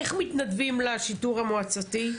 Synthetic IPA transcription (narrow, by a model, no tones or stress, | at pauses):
eχmit̪nadvimlaʃiduʁhamoat͡sati